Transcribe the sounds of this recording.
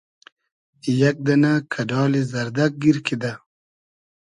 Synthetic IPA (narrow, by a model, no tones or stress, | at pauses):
ijak̚d̪ɐnakʰɐdɑːlizɐɾd̪ak̚ɡiɾkʰid̪a